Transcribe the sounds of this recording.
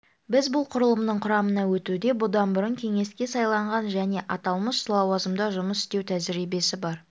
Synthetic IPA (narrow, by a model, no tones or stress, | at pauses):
bɪzbʊlˠqʰʊɾəlˠəmnəɴqʰʊɾɑmənɑwɵt̪ud̪e̞bʊd̪ɑnbʊɾəɴkʲʰe̞ŋe̞skʲe̞sɑjlˠɑɴʁɑnʒæne̞ʔɑt̪ɑlˠməsːlˠɑwɑzəmd̪ɑʒʊməsɪ̥st̪e̞wt̪ʰæzɪɾijbe̞sɪbɑɾ